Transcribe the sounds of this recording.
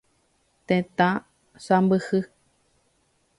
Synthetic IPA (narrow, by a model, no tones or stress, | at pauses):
t̪ẽt̪ã | sambɨhɨ